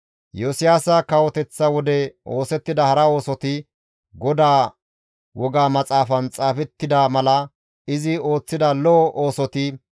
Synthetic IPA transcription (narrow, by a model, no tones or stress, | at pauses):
josɪjaːsɐkɐwɔt̪ɛt͡sːɐwɔd̪ɛʔo̞ːsɛt̪ːɪd̪ɐhɐɾɐo̞ːsɔt̪ɪ | ɡɔd̪aː | wɔɡaːmɐt͡sʼaːfɐnt͡sʼaːfɛt̪ːɪd̪amɐlɐ | ɪzɪo̞ːt͡sːɪd̪ɐlɔːʔoːsɔt̪ɪ